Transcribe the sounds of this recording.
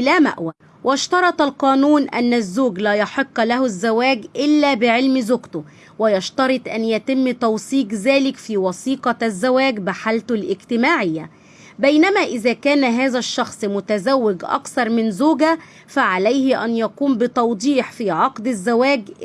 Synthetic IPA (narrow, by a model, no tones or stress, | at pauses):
ʔlæːmæ̰ʔwæ | wʔɪʃt̪ɑɾˤɑt̪ˤɑlqɑːnuːnʔæ̰nːæzːuːɡlæːjɑħeqːlæhʊzːæwæːɡʔɪlːæːbɪʕelmzʊɡt̪ʊ | wɪjɑʃt̪ɑɾˤɑt̪ˤʔænjæt̪ɪmːt̪ɑwsiːɡzæːlɪkfiːwɑsiːqɑzːæwæːɡbaħalt̪ʊlʔɪɡt̪ɪmaːʕɪjːæ | bæjnæmæːʔɪðæːkæːnɦæːðæʃːɑxsˤmʊt̪æzæwːɪɡʔɑ̰kθɑɾˤmɪnzoːɡæ | fæʕalæjhɪʔænjækuːmbɪt̪ɑwd̪ˤiːħfiːʕɑqd̪azːæwæːɡ